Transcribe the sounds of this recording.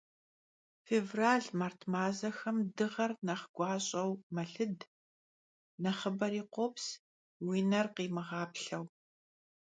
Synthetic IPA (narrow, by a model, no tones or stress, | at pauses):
feːvraːɮmaːrtʰmaːzɐxɐmdɨʁɐrnɐχɡ̥ʷɑːɕʼɐwmɐɬɨd | nɐχəbɐɾiːqʷops | wiːnɐrqiːmɨʁɑːpɬɐw